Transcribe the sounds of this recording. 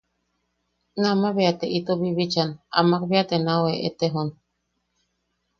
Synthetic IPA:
namaβeat̪eʔit̪oβiβit͡ʃana̰makβeat̪enaweʔḛt̪eɦon

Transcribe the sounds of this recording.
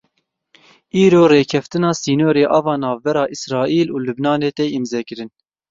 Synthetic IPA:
iːɾoːreːkʰɛft̪ɨnɑːsiːnoːɾeːʔɑvɑːnɑːvbɛɾɑːʔisɾɑːʔiːluːlubnɑːneːt̪ɛimzɛkɨɾɨn

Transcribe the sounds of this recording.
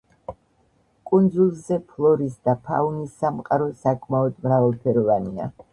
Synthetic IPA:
kʼund̪zulˠzɛpʰlˠɔɾisd̪apʰa̰unisːamqʼaɾɔsakʼmaɔd̪mɾavalˠpʰɛɾɔvania̰

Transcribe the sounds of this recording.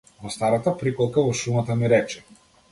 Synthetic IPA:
vɔst̪aɾat̪apɾikɔlˠkavɔʃumat̪amiɾɛt͡ʃɛ̥

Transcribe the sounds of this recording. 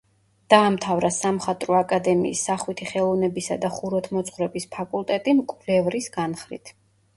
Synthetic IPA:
d̪̥aːmt̪ʰavɾasamχat̪ʼɾɔakʼad̪ɛmḭːsːaχwit̪ʰiχɛlˠɔvnɛbisa̰d̪aχuɾɔt̪ʰmɔt̪sʰʼχwɾɛbispʰakʼulˠt̪ʼɛt̪ʼimkʼlɛvɾisɡanχɾḭt̪ʰ

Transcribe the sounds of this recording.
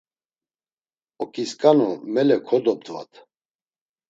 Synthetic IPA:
ɔkʼiskʼanumɛlɛkʰɔd̪ɔb̚d̪va̰t̪ʰ

